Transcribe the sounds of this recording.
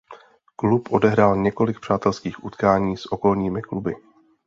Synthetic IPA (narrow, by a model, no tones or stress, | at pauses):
klupʔo̞dɛɦɾaːlɲɛko̞lɪk̚pr̝̥aːt̪ɛlskiːxʔṵt̪kaːɲiːsʔo̞ko̞lɲiːmɪklubɪ